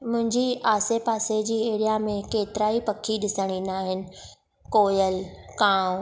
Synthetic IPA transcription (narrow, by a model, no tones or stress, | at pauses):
mʊ̃ɦɪ̃ɲd͡ʑiʔaːsepaːsed͡ʑiːeːɽijamẽkeːt̪ɪɾaːipɐkʰiɗɪsəɽ̃inaːɦɪnɪ̆ | koːjəlkãː